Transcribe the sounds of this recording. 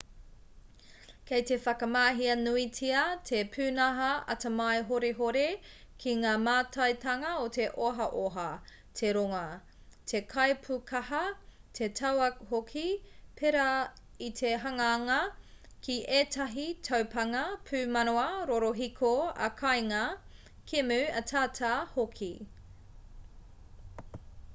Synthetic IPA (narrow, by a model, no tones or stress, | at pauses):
kʰejte̞fɐkɐmaːɦiɐnuitiɐtʰepʰʉːnɐɦɐɐ̰tɐmɐjɦoɾeɦoɾe | kʰiŋaːmaːtʰɐjtɐŋɐote̞ʔoɦɐʔoɦɐ | tʰeɾoŋɐ | tʰe̞kʰɐjpʰukʰɐhɐ | tʰetʰɐwɐhokʰipʰeɾɐ | itʰeɦɐŋɐaŋɐkʰiʔeːtɐɦitʰɐwpʰɐŋɐpʰʉːmɐnoɐɾoɾoɦikʰoɐ̰kʰɐjŋɐ | kʰemʉɐtʰaːtʰahokʰi